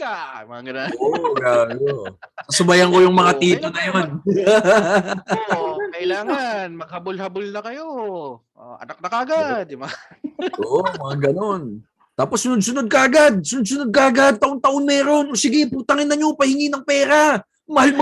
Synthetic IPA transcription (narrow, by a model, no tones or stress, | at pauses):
amɐaɡɐnaʔoɡalosɐsʊbɐjɐŋko̞jʊŋmɐŋat̪iːt̪onɐjo̞n | kɐʔɪlaːŋanmɐɡ̚hɐbolhɐbolnɐkɐjo | ʔoʔɐ̰nak̚nɐkɐʔɐɡad̪̚ːɪba | ʔoːʔomɐŋaɡɐno̞n | t̪aːposːʊnʊd̪̚sʊnod̪̚kɐʔɐɡad̪̚sʊnʊd̪̚s̬ʊnod̪̚kɐʔɐɡad̪̚t̪ɐʔoŋt̪ɐʔo̞nmɛːɾo̞nsɪɡɪput̪ɐŋɪnːɐɲo̞pɐhɪŋiːnɐŋpɛːɾa | mɐhalm